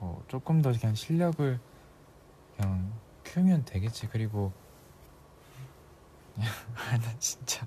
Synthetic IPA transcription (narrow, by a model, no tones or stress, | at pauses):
mʌ̰t͡ɕ͈ok͈ɯmdʌɲaŋɕʰiʎːʌɡɯɭ | kɯaŋ | kʰjumjʌndwe̞ɡet̚t͡ɕ͈ikɯɾiɡo | anat͡ɕi̥nt͡ɕ͈a